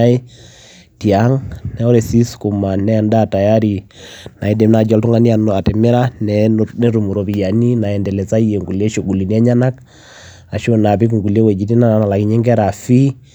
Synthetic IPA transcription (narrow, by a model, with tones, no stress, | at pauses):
a˦i˦ | ti˨a˦ŋnɛ˦ɔ˦ɾɛ˨si˦sku˨ma˨nɛ˦˨nda˦ta˨ja˦ɾi˨na˨i˦dɛ˨mna˨d͡ʒɔ˨ltu˦ŋa˦ni˦a˨n˨a˨tɛ˨mɪ˦ɾa˦nɛne˦ɾu˨mu˨ɾo˨pi˨ja˨ni˦na˨ɛ˨ndɛ˨lɛ˨t͡sa˦i˦je˨ŋɡu˨le˦ʃo˨ɡu˨li˨ni˦a˦ɲa˦na˦k | a˨ʃo˦na˨pi˦k̬u˨ŋɡu˨le˦wɛ˨d͡ʒi˨˦ti˦na˦na˨na˨la˨ki˨ɲe˦ŋɡɛ˦ɾa˨fi˦